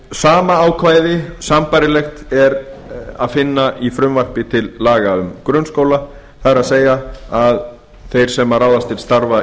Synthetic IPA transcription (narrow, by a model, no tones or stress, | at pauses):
saːmaaːwkʰvaːjðɪsampajɾɪlɛxt̪ɛɾa̰ðfɪnːaʔifɾʏmvar̥pɪt̪ʰɪlːaːɣaʏmkɾœnskowla | θaðɛɾaðseːjaað | θejɾ̥sɛmaɾraːwðast̪ɪlst̪aɾva